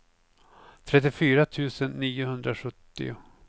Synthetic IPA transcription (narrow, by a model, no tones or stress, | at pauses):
t̪ʰɾɛt̪ːɪfyːɾat̪ʰʉ̟ːsənːiːʊhɵnd̪ɾaɧɵt̪ːɪ̰ʊ